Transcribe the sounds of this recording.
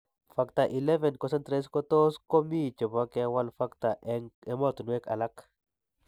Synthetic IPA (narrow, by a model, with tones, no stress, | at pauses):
fakt̪a˨ʔi˨lɛ˦vɛ˨nkɔ˨sɛ˦nt̪ɾes̬kot̪o˦sko˦mi˦t͡ʃɔ˨ba˦kɛwa˦lfa˦kta˨ʔɛŋɛmɔt̪u˨nwe˦ka̰˨lak